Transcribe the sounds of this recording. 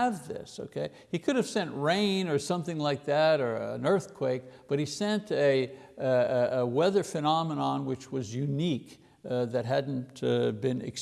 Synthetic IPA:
əvðɪ̰soʊkʰeɪ | ikʰʊɾɨv̥sɛ̃nʔɹẽɪ̃nə˞sʌ̃mθɪ̃ŋlaɪk̚ðæɾə˞ə̰̃nɜ˞θkʰw̥eɪk̚b̥ʌt̚hisɛ̃ntɨ | wɛðə˞fɨnɑmənɑ̃nwɨt͡ʃwʌzjʉnik | ðɨt̚ɦædⁿn̩bɨ̃nɨ̰ks

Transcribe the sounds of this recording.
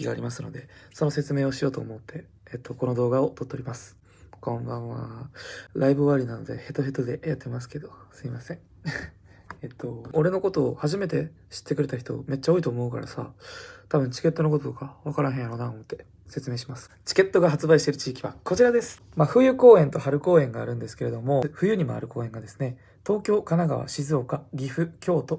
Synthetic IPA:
kʲiɡaːɾʲimasɨno̞̰d̪e̞so̞no̞se̞t͡sɨme̞ːo̞ɕijo̞ːt̪o̞ːmo̞t̪ʰːe̞ː | t̪ːo̞ko̞no̞d̪o̞ːɡao̞t̪o̞t̪ːeoɾʲimasɨ̥ | kõ̞mbãɰ̃βa̰ | ɾaibɯ̟βaɾʲinano̞d̪e̞̰he̞t̪ːoɦet̪ːod̪e̞jat̪ːemasɨ̥ke̞d̪o̞sɨimasẽ̞ɴ | et̪ʰːo̞oɾe̞no̞ko̞t̪o̞ːhaʑime̞t̪e̞ | ɕi̥t̪ːe̞kɯ̟ɾe̞t̪açi̥t̪o̞̰me̞t͡ɕːao̞ːit̪oːmo̞ɯka̰ɾa̰sa̰t̪abɯ̟̃ɲ̟t͡ɕi̥ke̞t̪ːo̞no̞ko̞t̪ot̪okaβakaɾãɦẽjaɾo̞ːnaomot̪ːe̞ | se̞t͡sɨme̞ːɕimasɨ̥t͡ɕi̥ke̞t̪ːo̞ɡaɦat͡sɨbaiɕi̥t̪e̞ɾɯ̟̥t͡ɕiːkʲiβa̰ko̞t͡ɕiɾad̪e̞sɨ̥ | maɸɯ̟jɯ̟ːko̞ːẽ̞nt̪o̞haɾɯ̟ko̞ːẽ̞ŋɡaːɾɯ̟̃nd̪esɨ̥ke̞ɾe̞d̪o̞mo̞ɸɯ̟jɯ̟ːɲ̟imo̞̰a̰ɾɯ̟ko̞ːẽ̞ŋɡad̪e̞sɨ̥ne̞ | t̪o̞ːkʲo̞ːkanaɡaβ̞a̰ɕizɨo̞kaɡʲiɸɯ̟kʲo̞ːt̪o̞

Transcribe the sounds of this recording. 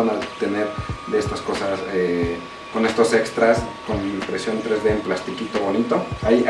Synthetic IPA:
anat̪e̞ne̞ɾðeest̪asko̞sase | ko̞ne̞st̪o̞se̞kst̪ɾaskonimpɾesjo̞nt̪ɾe̞zðe̞ːmplast̪ikit̪o̞βo̞nit̪o̞aj

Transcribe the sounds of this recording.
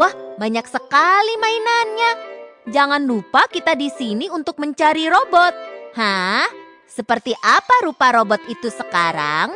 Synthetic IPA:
wahbaɲaksəkalimainanɲad͡ʒaŋanlupakit̪adisiniunt̪ʊk̚məɲt͡ʃaɾiɾobɔt̪̚hah | səpərt̪iʔapaɾupaɾobɔt̪it̪usəkaɾa̰ŋ

